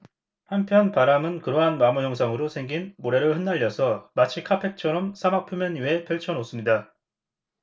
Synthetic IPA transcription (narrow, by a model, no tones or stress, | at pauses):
hampʰjʌnpaɾamɯnkɯɾʌɦanmamujʌŋsʰaŋɯɾosʰe̞ŋɡinmoɾe̞ɾɯɭhɯnːaʎːʌsʰʌmat͡ɕʰikʰapʰe̞k̚t͡ɕʰʌɾʌmsʰamak̚pʰumjʌɲie̞pʰjʌɭt͡ɕʰʌnos͈ɯmɲida